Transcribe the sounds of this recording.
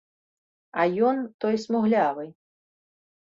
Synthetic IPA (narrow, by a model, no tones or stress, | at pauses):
ɐjɔnt̪ɔjsmuɣlʲavɨ